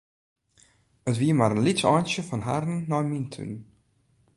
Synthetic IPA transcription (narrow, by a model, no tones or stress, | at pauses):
ətʋiəmaːɾənlɪsɑːnʃəfɔnɦa̰rnːɔjmintʰʉ̰n